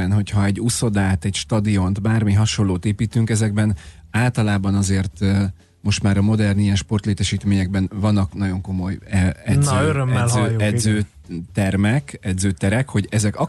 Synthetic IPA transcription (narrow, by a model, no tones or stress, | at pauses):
ɛnɦo̞cʰhɒɛɟːuso̞d̪aːt̪ɛcʃt̪ɒd̪io̞nt̪baːrmiɦɒʃo̞loːt̪eːpiːt̪yŋkɛzɛɡbɛn | aːlt̪ɒlaːbɒnɒzeːrt̪ | mo̞ʃt̪maːɾɒmo̞d̪ɛrnijɛnʃpo̞rt̪leːt̪ɛʃiːt̪meːɲɛɡ̚bɛnvɒnːɒknɒɟo̞ŋko̞mo̞jɛnzzøɾømɛløːɛdzøː | t̪ɛrmɛkɛd̪zøːt̪ɛɾɛkho̞ɟɛzɛkɒ